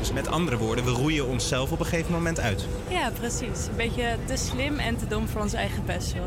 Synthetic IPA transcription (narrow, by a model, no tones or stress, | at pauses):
d̥ɵsmɛtɑ̰ndərəʋʊːɹdənʋərujəɔnsɛlˠfɔpəχejvəmomɛntœ̰ɥt | jaːprəsisənbejcətəslɪmɛntədʊmfʊːɹɔnsɛ̰jχəpɛstə